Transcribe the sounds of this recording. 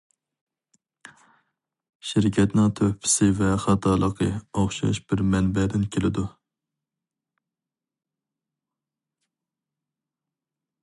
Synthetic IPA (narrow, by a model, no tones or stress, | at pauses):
ʃiɾkʲʰɛt̪nɪŋt̪ʰøhpʰɪ̥sɪvɛχɑt̪ʰɑːlˠəqʰəɑχʃɑ̰ʃbɪɾmɛnbɛd̪ɪnkʲʰelɪd̪u